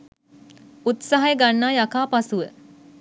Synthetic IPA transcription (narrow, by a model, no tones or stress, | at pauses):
ut̪saɦajəɡanːaːjakaːpasuʋə